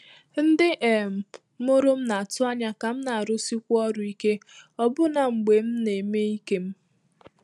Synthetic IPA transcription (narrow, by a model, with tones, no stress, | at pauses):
n̩˦dɪ˦ʔe˨m̩˨˦ | mo˦ɾʊ˦m̩˦na˨tʊ˦a˦ɲa˦ka˨m̩˦na˨a˨ɾʊ˦si˦kʷɔ˦ɾʊ˨i˦ke˦ɔ˦bʊ˦na˨ŋ͡m̩˨ɡ͡be˨m̩˦ne˨me˦i˦ke˦m̩˦